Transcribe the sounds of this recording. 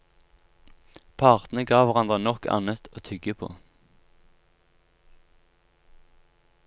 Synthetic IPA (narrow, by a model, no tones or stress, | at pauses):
pʰɑʁt̪nəɡɑːʋæʁɑnd̪ʁənɔkɑ̰nət̪ʰoːt̪ʰʏɡəpʰo̰ː